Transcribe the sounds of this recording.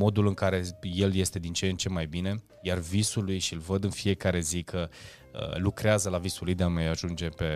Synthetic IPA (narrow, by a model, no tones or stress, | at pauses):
mo̞d̪ulɨŋkaɾe̞je̞lje̞st̪e̞d̪int͡ʃent͡ʃe̞majbine̞ | jarvisulujʃilvəd̪ɨnfie̞kaɾe̞zikʰə | ə̰lukɾeazəlavisulujd̪eamajaʒund͡ʒe̞pe̞